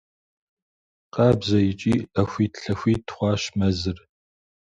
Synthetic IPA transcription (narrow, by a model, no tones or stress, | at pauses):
qɑːbzɐjɪt͡ʃʼiːɐxʷiːtɬɐxʷiːtʰχʷɑːɕmɐzɨr